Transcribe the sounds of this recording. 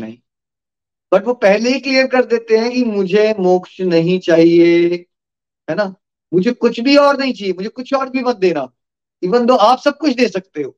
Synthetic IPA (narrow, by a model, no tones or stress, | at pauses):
nɐɦĩː | b̥ɐʈʋoːpɛɦleɦiklijəɾkɐɾd̪eːt̪eɦɛ̃kimʊd͡ʒʱemoːkʃnɐɦĩt͡ʃaːɦie | ɦɛːna | mʊd͡ʒʱekʊt͡ʃʰbʱiɔːɾnɐɦĩt͡ʃaːɦiemʊd͡ʒʱekʊt͡ʃʰɔːɾbʱibɐnd̪eːnaː | ibɐ̃nd̪ʱoaːpsɐb̚kʊt͡ʃʰd̪eːsɐk̚t̪eɦoː